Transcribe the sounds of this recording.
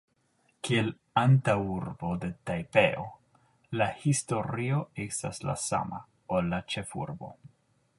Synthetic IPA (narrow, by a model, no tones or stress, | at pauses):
kiel | antawuɾbo̞de̞tajpeʔo | lahisto̞ɾio̞esta̰sla̰sa̰ma | olːat͡ʃe̞fṵɾbo̞̰